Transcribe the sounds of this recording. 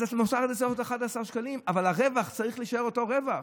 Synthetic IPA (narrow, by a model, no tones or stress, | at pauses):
atnosaχd̪esoʁot̪aχad̪asaʁʃkalimavalaʁevaχt͡saʁiχliʃaeʁoto̞ʁevaχ